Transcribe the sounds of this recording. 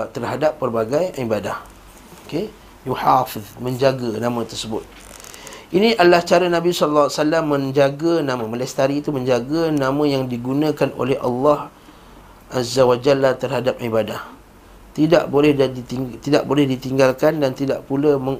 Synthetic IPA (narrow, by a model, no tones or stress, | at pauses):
t̪ərhadapːərbaɡajibadah | oke | juħafɪðmə̃ɲd͡ʒaɡənãmə̃t̪ərsəbʊ̰t̪̚ | ʔinĩʔalaht͡ʃaɾanãbisɔləlːwasalamːə̃ɲd͡ʒaɡənãmə̃məlɛst̪aɾiːt̪umə̃ɲd͡ʒaɡənãmə̃jaŋdiɡunə̃kanʔo̰lɛha̰lːɑh | ʔazawad͡ʒalːaht̪ərhadap̚ibadah | t̪ida̰ʔbolɛh̪t̪ida̰ʔbolɛhdit̪iŋɡalkandant̪idaʔpulaməŋ